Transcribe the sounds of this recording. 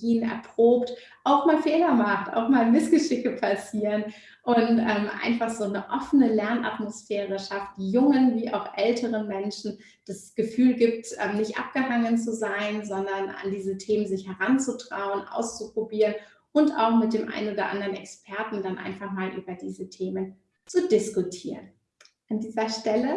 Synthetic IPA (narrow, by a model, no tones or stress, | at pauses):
iːnɛ̰ɐpʁ̥oːpt | ʔaʊxmaːlfeːlɐmaχtʔa̰ʊxmaːlmɪsɡ̥əʃɪçəpʰasiːʁən | ʔʊntʔɛːmʔa̰ɪnfaχz̥oːnəʔɔfənəlɛɐnʔa̰tmosfɛːʁəʃaft̚d̥iːjʊŋənviːʔa̰ʊxʔɛltʰəʁənmɛnʃn̩ | d̥asɡ̥əfyːlɡiːp̚tʔɛːmnɪçtʔa̰p̚ɡ̥əɦaŋənt͡suzaɪnzɔndɐnʔa̰ndiːzətʰeːmənzɪçhɛʁant͡sutʁ̥a̰ʊənʔa̰ʊst͡supʁ̥obiːʁən | ʔʊnta̰ʊxmɪt̚d̥eːmʔa̰ɪnʔoːdɐ̰ʔa̰ndəʁənɛ̰kspʰɛɐtn̩danʔa̰ɪnfaχmaːlʔy̰ːbɐdiːzətʰeːmən | t͡sudɪskutʰiːʁən | ʔandiːzɐʃtɛlə